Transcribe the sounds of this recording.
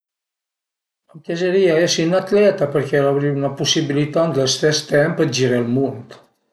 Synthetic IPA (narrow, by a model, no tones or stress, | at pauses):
əŋkezəɾiaesinat̪lɛt̪apəɾkɛlaβɾiunapusiβilit̪ant̪əst̪ɛst̪ɛmpəd͡ʒiɾelˠmunt̪